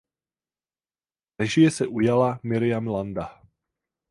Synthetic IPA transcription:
nɛʒɪjɛsɛʔujalamɪɾɪjamlanda

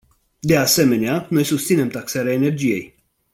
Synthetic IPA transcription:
d̪e̞ase̞me̞neano̞jsust̪sine̞mt̪aksaɾeaene̞rd͡ʒije̞̰j

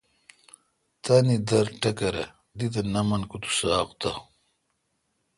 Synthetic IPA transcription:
t̪anid̪ɐɾʈɐkɐɾɐ̰ | d̪it̪̬ɐnɐmɐnkut̪u̥saːqt̪a

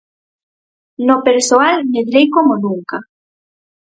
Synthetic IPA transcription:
nopeɾsoalned̪ɾejkomonuŋka

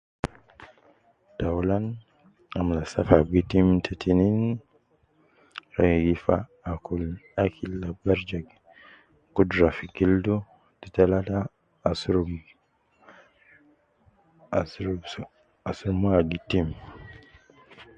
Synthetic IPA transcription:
d̥awlan | amlasafaɡitimtʰetʰinin | ɾaɡifa | akulakʰilːabaɾd͡ʒaɡ | kudɾafiɡildu | d̥italata | sɾ | ɾ | asuɾmuaɡitim

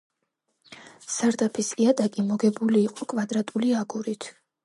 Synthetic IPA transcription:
saɾd̪apʰisiat̪ʼakʼimɔɡɛbuliːqʼɔkʼvad̪ɾat̪ʼuliaɡuɾit̪ʰ

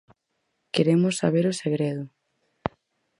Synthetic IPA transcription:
keɾemʊsːaβ̞eɾoseɣ̞ɾeð̞ʊ

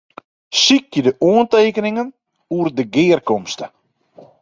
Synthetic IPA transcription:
sikjədəʔuənteːkənɪŋən | uərdəɡɪːərkɔmstə

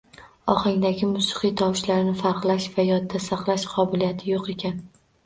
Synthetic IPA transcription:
ɒχɑŋd̪aɡʲɪmʊsɨ̥qɨjt̪ʰɒwʃlaɾnɪfaɾqlˠaʃvajɒd̪ːasaqlˠaʃqʰɒbɪlijat̪ʰɪjoqe̞kʲan

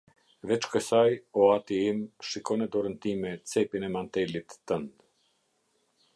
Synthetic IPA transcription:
vɛt͡ʃkəsajɔat̪iimʃikɔnɛd̪ɔɾənt̪imɛt͡sɛpinɛmant̪ɛlit̪ːənd̪

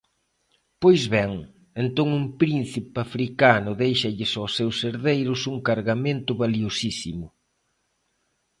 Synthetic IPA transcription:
pojzβɛŋ | ent̪oŋumpɾin̟θipafɾikanʊðejʃɐʎɪsawsewseɾðejɾʊsuŋkaɾɣamẽnt̪ʊβaliosisḭmʊ

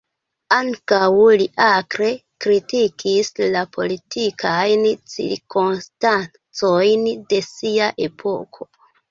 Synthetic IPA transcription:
aŋkawliʔakɾe̞ | kɾitikʰislapʰo̞̰litʰikʰajnt͡sḭɾkonstan | t͡so̞jnde̞siaʔe̞pʰo̞kʰo̞̥

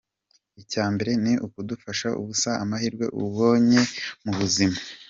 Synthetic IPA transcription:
icaːmbe̞ɾe̞niʔukudufaʃaʔṵβusaamahiɾɡwe̞̰ʔṵβo̞ːɲemuβuzima

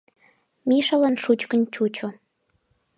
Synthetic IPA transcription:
miʃəlɑnʃut͡ɕkənʲt͡ɕut͡ɕo

